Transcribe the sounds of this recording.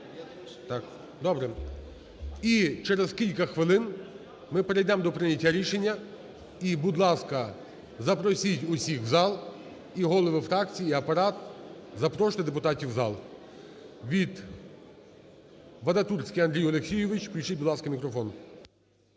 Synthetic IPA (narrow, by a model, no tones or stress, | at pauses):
t̪ɑk | d̪ɔbɾɛ | it͡ʃɛɾez̥kʲilʲkɐxʋɪlˠɪn | mɪpeɾejd̪ɛmd̪ɔpɾɪnʲɐtʲːɐɾʲiʃenʲːɐ | ibʊd̪lˠɑskɐ | zɐpɾɔsʲitʲʊsʲixzɑlˠ | iɦɔlˠɔʋɪfɾɑkt͡sʲijiiɐpɐɾɑt̪̚zɐpɾɔʃt̪ɪd̪ep̬ʊt̪ɑtʲiwzɑlˠ | ʋʲid̪ | ʋɐd̪ɐt̪ursʲkʲiɐnd̪ɾʲijɔlˠeksʲijʊʋɪt͡ʃpɾʲijʃɪt̚ʲbʊd̪lˠɑskɐmʲikɾɔfɔn